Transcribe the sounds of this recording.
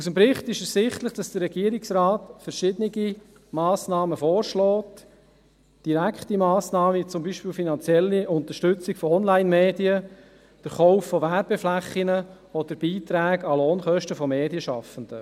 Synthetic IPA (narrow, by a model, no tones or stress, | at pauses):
usəmpɾɪχtɪʃɛssɪχtləχd̥ɑsd̥ərːɛɡ̥iəɾɪksɾaːtfəɾʃɪdənɪɡi | mɑːsnɑːməfɔːɾʃlɔːt | d̥iɾækχtimɑːsnɑːmət͡sʊmbiːʃpiːlfinɑnt͡sjɛlːiʊnt̪əʃtʏt͡sɪkfɔɔnlaɪnmeːdiə | d̥əɾχɔʊfːɔʋæɾb̥ɛflæχːinə | ɔd̥̪əɾb̥iːt̪ɾæːɡɑloːnχœʃtəfɔmeːdijəʃɑ̰fən̩d̥ə